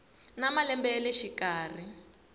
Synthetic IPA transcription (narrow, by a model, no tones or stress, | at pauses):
namalɛmbɛlɛʃikaːr̤i